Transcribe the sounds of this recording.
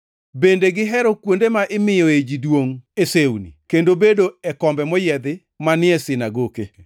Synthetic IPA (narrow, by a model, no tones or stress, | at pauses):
bendeɡɪɦɛɾɔkwondemaʔɪmɪjɔed͡ʒidwoŋesewnḭkendobedoɛkɔmbɛmɔjɛd̪ɪ | manɪɛsɪnaɡoke